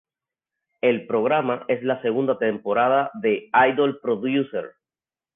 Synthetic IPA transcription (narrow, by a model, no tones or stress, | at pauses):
e̞lpɾo̞ɣɾamaʔe̞slase̞ɣ̞und̪at̪empo̞ɾaðaðe̞ajðolpɾoðjusḛɾ